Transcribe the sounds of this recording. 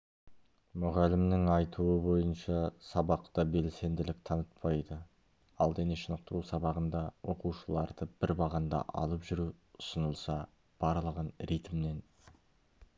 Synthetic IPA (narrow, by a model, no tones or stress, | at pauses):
mʊʁælɪmnɪŋɑjt̪ʰuəbo̞jənʃɑsɑbɑqt̪ɑbe̞lse̞nd̪ɪlɪk̚t̪ʰɑnət̪̚pɑjd̪ə | ɑlˠd̪eneʃənəq̚t̪əɾusɑbɑʁənd̪ɑwo̞quwʃəlˠɑɾd̪əb̥ɪɾbɑʁɑnd̪ɑ̰ʔɑ̰lˠəpʒʏɾuʊ̥sənəlˠsɑ | b̥ɑɾlˠəʁənɾit̪mnen